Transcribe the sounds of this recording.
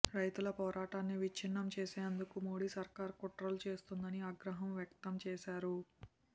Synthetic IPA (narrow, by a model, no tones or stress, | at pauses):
ɾɐjt̪ulɐpɔːɾʔaːʈaːnːiʋit͡ʃʰinːɐmt͡ʃeːseːnd̪ukumo̞ːɽiːsɐɾkaːɾkoʈɾoːlt͡ʃe̞ːst̪und̪ɐniaːɡɾɐɦɐmʋjɐkt̪ɐmt͡ʃɛːsaːɾu